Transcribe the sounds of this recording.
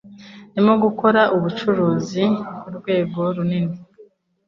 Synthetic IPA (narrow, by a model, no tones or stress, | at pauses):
nimuɡuko̞ɾaʔuβut͡ʃuɾuːzikuɾɡwe̞ːɡo̞ɾunini